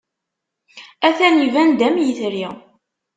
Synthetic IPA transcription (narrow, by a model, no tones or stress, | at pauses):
æθænivænd̪æmjəθɾiʁ